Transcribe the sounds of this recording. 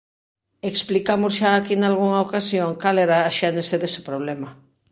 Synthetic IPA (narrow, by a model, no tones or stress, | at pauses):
eksplikamʊsʃaːkinalɣuŋaokasjoŋkalɛɾaːʃɛneseðesɪ̥pɾoβ̞lɛmɐ